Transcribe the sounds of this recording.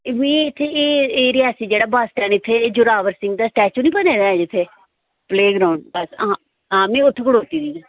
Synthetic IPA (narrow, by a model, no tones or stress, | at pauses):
ʋĩːɪt̪ʰːeeːeːɾɪaːsiːd͡ʒeːɽaːbaːsʈɛ̃ːnɪt̪ʰːeːd͡ʒʊɾaːʋəɾsɪ̃ŋɡ̚d̪aːsʈɛːt͡ʃũnĩːbəneːd̪aːd͡ʒɪt̪ʰːeː | pleːɡɾaːʊɳɖbəs | ãːmɛ̃ːʊt̪ʰːeɡʊɽoːt̪iːd̪iːã